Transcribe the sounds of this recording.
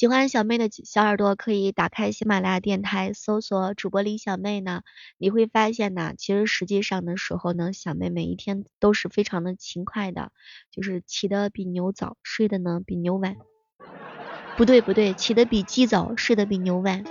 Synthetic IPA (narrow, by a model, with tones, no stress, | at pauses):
t͡ɕi˧˩xwa˥n˩ɕjɑ˨˩ʊme˥˩ɪd̪ə˩ɕjɑ˧˥ʊə˞˨˩t̪wɔ˥kʰɤ˧˥i˧˥t̪a˨˩kʰa˥ɪɕi˥ma˨˩la˥˧t̪jɛ˥˩nt̪ʰa˧˥ɪso˥ʊswɔ˨˩˦ʈ͡ʂu˨˩pwɔ˧˥li˧˥ɕjɑ˨˩ʊme˥˩ɪnə˩ni˨˩xwe˥˩ɪfa˥ɕ̬jɛ˥˩nə̰˩t͡ɕʰi˧˥ʂɻ̩˧˥ʂɻ̩˧˥t͡ɕi˥˧ʂɑ˥˩ŋd̪ə˩ʂɻ̩˧˥xo˥˧ʊnə˩ɕjɑ˨˩ʊmḛ˥˩ɪme˨˩ɪḭ˥˩t̪ʰjɛ˥nt̪o˥ʊʂɻ̩˥˩fe˥ɪʈ͡ʂʰɑ˧˥ŋd̪ə˧t͡ɕʰi˧˥ŋkʰwa˥˩ɪd̪ə̰˩t͡ɕjo˥˧ʊʂɻ̩˥˩t͡ɕʰi˨˩d̪ə˦pi˨˩njo˧˥ʊt͡sɑ̰˨˩˦ʊʂwe˥˩ɪd̪ə˨nə˧pi˨˩njo˧˥ʊwa˨˧˥n | pu˧˥t̪we˥˩ɪpu˧˥t̪we˥˩ɪt͡ɕʰi˨˩d̪ə˦pi˨˩t͡ɕi˥t͡sɑ˨˩˦ʊʂwe˥˩ɪd̪ə˨p̬i˨˩njo˧˥ʊwa˨˩˦n